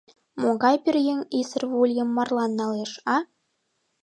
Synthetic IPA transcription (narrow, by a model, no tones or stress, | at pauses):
moɡɑjpʲirʲjĕŋisə̆rvulʲjɤ̆mːɑrlˠɑnːɑleʃɑ